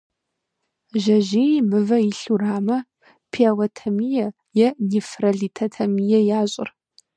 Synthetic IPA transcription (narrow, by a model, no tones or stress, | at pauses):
ʒɐʒijmɨvɐjiɬuraːmɐ | pʰiɐwɐtʰɐmijɛ | jɛnifrɐɮiːtʰɐtʰɐmijɛjaːɕʼɪ̰r